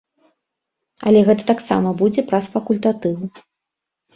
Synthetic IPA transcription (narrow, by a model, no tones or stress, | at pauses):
ɐ̰lʲɛɣɛt̪ɐ̥t̪aksa̰mɐbud͡zʲɛpɾɐsfɐkulʲt̪at̪ɨw